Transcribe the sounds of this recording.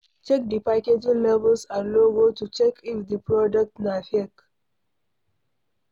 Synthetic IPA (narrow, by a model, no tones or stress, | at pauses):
t͡ʃɛk̚dipaketĩnlɛvəlsãloɡotut͡ʃɛkʰifdipɹɔdɔk̚tnafek